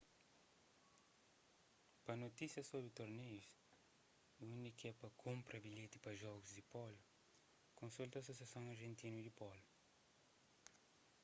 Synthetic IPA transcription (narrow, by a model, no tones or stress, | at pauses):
pɐnot̪isjɐsobɾut̪oɾnejus | unikɛpɐkʰõmpɾɐbiʎet̪i̥pɐʒɔɡuzd̪ipɔlu | kõnsult̪ɐsosjasɐ̃ŋɐɾʒẽnt̪inud̪ipɔlu